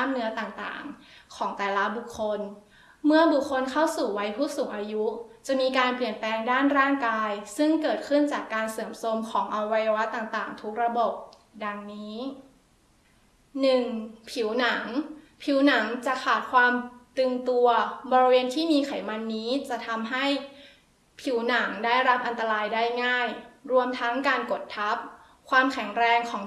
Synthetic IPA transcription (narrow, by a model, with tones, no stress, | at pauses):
a˥˩mnɯ˦˥ɐt̪aː˨˩ŋt̪a̰ː˨˩ŋkʰɔː˩˦ŋt̪ɛː˨˩la˦˥bu˨˩kʰːo˧n | mɯ˥˩ɐbu˨˩kʰːo˧nkʰa˥˩wsuː˨˩wa˦˥jpʰuː˥˩k̚suː˨˩˦ŋʔaː˧ju˦˥t͡ɕa˨˩miː˧kaː˧npli˨˩ənplɛː˧ŋdaː˥˩nɾaː˥˩ŋkaː˧jsɯ˥˩ŋkɤː˨˩t̪̚kʰɯ˥˩nt͡ɕaː˨˩kːaː˧nsɤː˨˩˦mso˧mkʰɔː˩˦ŋʔa˧wa˧jːa˧wa˦˥t̪ːaː˨˩ŋt̪aː˨˩ŋt̪ʰu˦˥k̚ɾa˧bo˨˩p̚ | da˧ŋniː˦˥ | nɯ˨˩ŋpʰi˨˩˦wna˩˦ŋpʰi˩˦wna˩˦ŋt͡ɕa˨˩kʰaː˨˩t̪̚kʰwaː˧mt̪ɯ˧ŋt̪u˧ɐbɔː˧ɾi˧weː˧nt̪ʰiː˥˩miː˧kʰa˨˩˦jma˧nːiː˦˥t͡ɕa˨˩t̪ʰa˧mɦa˥˩j | pʰi˨˩˦wna˩˦ŋdaː˥˩jɾa˦˥p̚ʔa˧nt̪a˧ɾaː˧jdaː˥˩jŋaː˥˩jɾu˧əmt̪ʰa˦˥ŋkaː˧nko˨˩t̪ʰːa˦˥p̚ | kʰwaː˧mkʰɛ˨˩˦ŋɾɛː˧ŋkʰɔː˩˦ŋ